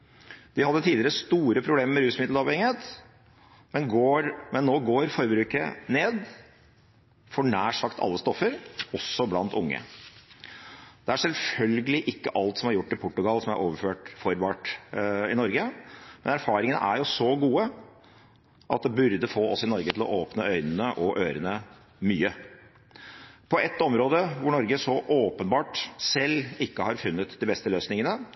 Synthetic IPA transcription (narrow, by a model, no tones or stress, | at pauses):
d̪̥ɪhɑd̪ːət̪ʰiːlɪəɾəst̪uːɾəpʰɾʊbleːməɾmɛɾʉːsmɪd̪lɑːʋhɛŋɪeːt̪ | mɛnɡoːɾmɛnːoːɡoːɾfɔɾbɾʉːkə̰neːd̪ | fɔɳæːʂɑkt̪ʰɑ̰lːəst̪ɔfːəɾɔsːɔblɑ̰nt̪ʊŋːə̰ | d̪̥ɛæʂɛlfœlɡəlɪʔɪkːəʔɑlt̪sɔmhɑɾjʊʈːɪlpʊʈːʉɡɑlsɔmæ̰ɾʔo̰ːʋəɾføːʈfɔɾʋɑːʈɪnɔɾɡəmɛnæɾfɑːɾɪŋənə̰ʔæɾjʊsɔɡuːə | ʔɑ̰t̪̚d̪ɛbʉɾd̪əfoːɔsɪnɔɾɡət̪ɪlɔ̰ʔoːpnəœʏnənəʔɔʔøːɾənə | myːə | pʰɔɛt̪ːɔmɾoːd̪əʋʊɳɔɾɡəsɔʔoːpənbɑːʈsɛlːɪkːəhɑɾfʉnːət̪d̪ɪbɛst̪əløːsnɪŋənə